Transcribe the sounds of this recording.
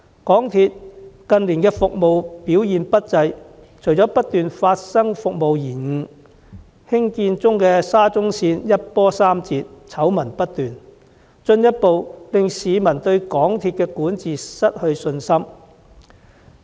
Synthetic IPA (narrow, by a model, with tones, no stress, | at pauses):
kɔː˨˥ŋt̪ʰiː˧t̚kɐ˨nliː˨˩nkɛː˧fʊ˨k̚mo˨wpiː˨˥wjiː˨npɐ˥t̚t͡sɐ˧j | t͡ʃʰɵ˨˩jt͡sɔː˨˥pɐ˥t̚t̪yː˨nfaː˧t̚sɐ˥ŋfʊ˨k̚mo˨wjiː˨˩nŋ̩˨˧ | hɪ˥ŋkiː˧nt͡sʊ˥ŋkɛː˧saː˥t͡sʊ˥ŋsiː˧njɐ˥t̚pɔː˥saː˥mt͡siː˧t̚t͡sʰɐ˨˥wmɐ˨˩npɐ˥t̚t̪yː˨n | t͡sɵ˧njɐ˥t̚po˨wlɪ˨ŋsiː˨˧mɐ˨˩nt̪ɵ˧ɥkɔː˨˥ŋt̪ʰiː˧t̚kɛː˧kuː˨˥nt͡siː˨sɐ˥t̚hɵ˧ɥsɵ˧nsɐ˥m